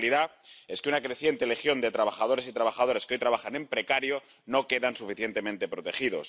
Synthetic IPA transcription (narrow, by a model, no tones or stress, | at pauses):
liðae̞skeunakɾe̞θjent̪e̞le̞xjo̞nd̪e̞t̪ɾaβ̞axaðo̞ɾe̞sit̪ɾaβaxaðo̞ɾe̞skeo̞jt̪ɾaβaxanẽ̞mpɾe̞kaɾjo̞ | no̞ke̞ðansufiθje̞nt̪e̞mẽnt̪e̞pɾo̞t̪e̞xiðo̞s